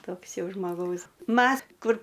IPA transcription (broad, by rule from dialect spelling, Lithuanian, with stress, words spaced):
ˈtoːks ˈjɛʊ ʒmoːˈɡɐʊs ˈmɐs kʊr